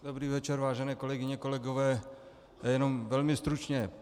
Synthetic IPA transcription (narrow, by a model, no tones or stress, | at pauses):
dobɾiːvɛt͡ʃɛɾvaːʒɛnɛːko̞lɛɡɪɲɛkolɛɡovɛː | jjɛno̞mvɛlmɪst̪ɾut͡ʃɲɛ